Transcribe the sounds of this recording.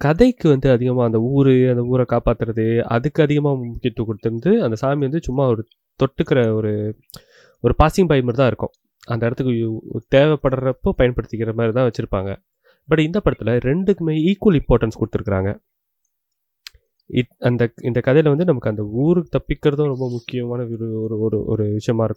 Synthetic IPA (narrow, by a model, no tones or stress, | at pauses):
kɐðɐɪkːɯʋɐnd̪ɯɐðɪɣɐmaːɐnd̪ɐuːɾɯɐnd̪ɐuːɾɛkaːpaːt̪ːɯɾɐðɯɐ̰ðɯkːɯɐðɪɣɐmaːmʊkːɪɐt̪ːɯkːʊɽɯt̪ːɯnd̪ɯɐnd̪ɐsaːmiʋɐnd̪ɯt͡ʃʊmːaːɔɾɯ | t̪ɔʈːɯkːɪɾɐɔɾɯ | ɔɾɯpaːsɪŋɡbɐjmɐɾt̪ãːɪɾɯkːʊ̰̃ | ɐnd̪ɐɪɽɐt̪ːɯkːɯt̪eːʋɛpːɐɽɐɾɐpːoːpɐjɐnpɐɽɯt̪ːɯkːɪɾɐmaːdɾit̪ãːʋɐt͡ʃːɪɾɯpːa̰ːŋɡɐ̰ | bɐʈɪnd̪ɐpɐɽɐt̪ːɪlɐɾɛɳɖɯkːɯmeːiːkʋɐlɪ̃mpoːɾʈɐnskʊɽɯt̪ːɯɾɯkːɪɾa̰ːŋɡɐ̰ | ɪɐnd̪ɐɪnd̪ɐkɐðɐjɪlʋɐnd̪ɯnɐmɐkːɯɐnd̪ɐuːɾɯt̪ɐpːɪkːɪɾɐðʊ̃ɾɔmbɐmʊkːɪjɐmaːnɐɾɔɾɯ̰ʔɔ̰ɾɯʋɪʂɐjɐmaːɪɾɯkːʊ̃